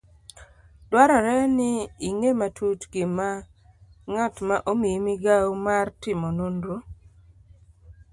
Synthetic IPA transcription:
d̥waɾɔɾɛnɪːŋematʰutɡɪma | ŋatmaʔomimiɡawmartɪmɔnondo

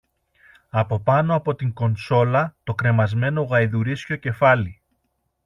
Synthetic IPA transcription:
ɐpo̞pɐno̞ɐpo̞t̪iŋko̞nso̞lɐt̪o̞kɾe̞mɐzme̞no̞ɣɐjðuɾisco̞ce̞fɐli

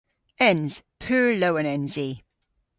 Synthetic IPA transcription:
ɛ̃nz̥pʰʉːɹloʊə̃nɛ̃nzi

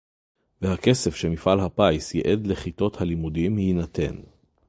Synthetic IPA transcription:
vehake̞se̞fʃemifʔalɦapajsjeʔed̪leχit̪o̞thalimudimhinat̪e̞̰n

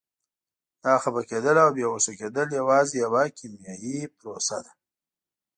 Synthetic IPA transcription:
d̪̥ɑxabaked̪əlawbjewosaked̪əljawɑzejawakʰimjɑjipɾosa̰d̪a

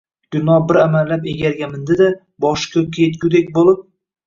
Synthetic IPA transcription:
ɡ̥ʲʊnɒbɪɾamalːapeɡʲaɾɡʲamɪnd̪ɪd̪a | bɒʃkʲʰɵkʲʰet̪̚ɡʲʊd̪ek̚ʲbolˠɪp̚

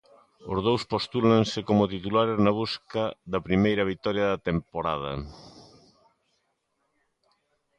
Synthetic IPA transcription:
ozð̞owspost̪ulansɪkomʊt̪it̪ulaɾeznaβ̞uskaðɐpɾimejɾɐβit̪ɔɾjɐðɐt̪empoɾað̞ɐ̰

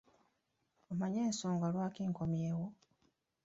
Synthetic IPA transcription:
omaɲeːnsoːŋɡalwaːkiːŋkomje̞ːwo

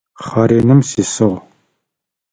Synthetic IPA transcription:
χɑɾeːnɨmsisɨʁ

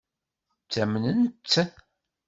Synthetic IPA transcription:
t͡sːæmnənt̪ː

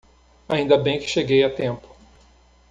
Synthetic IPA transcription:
aĩnd̪ɐbẽj̃kɪ̥ʃeɡejat̪ẽmpʊ̥

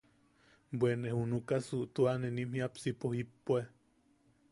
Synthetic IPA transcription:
bwʷenehunukasuʔt̪uanenimhiapsipohipːue

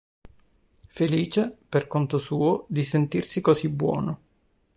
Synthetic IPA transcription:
feliːt͡ʃeperkont̪osuːod̪isent̪irsikozibwɔ̰ːno

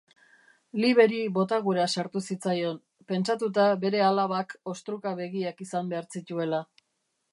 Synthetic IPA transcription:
liβe̞ɾiβo̞t̪aɣuɾasaɾt̪usit͡sajo̞n | pe̞nt͡sat̪̬ut̪abe̞ɾe̞alaβako̞st̪ɾukaβe̞ɣiakisambe̞aɾt͡sit̪ue̞la

